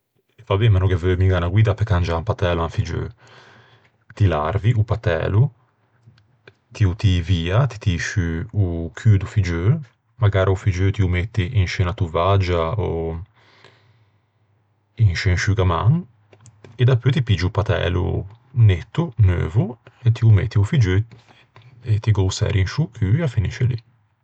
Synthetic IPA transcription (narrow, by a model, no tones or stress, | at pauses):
vabemanɔɡevømiŋɡanaɡwiːd̪apekand͡ʒaampat̪ɛːluaɱfid͡ʒø̰ | t̪ilaɾviʔupat̪ɛ̰ːlu | t̪iut̪iviːat̪i̥t̪iʃyukʰyːd̪ufid͡ʒø | maɡaːɾʔaufid͡ʒøt̪iumet̪ːiʔinʃɛːnat̪uvad͡ʒaɔ | inʃenʃyɡamaŋ | ed̪apːøt̪ipid͡ʒiupat̪ɛ̰ːlṵ | net̪ːunø̰ːvuet̪iumḛt̪ʰːiufid͡ʒø | et̪iɡɔwsɛ̰ːɾinʃukʰyafiniʃelḭ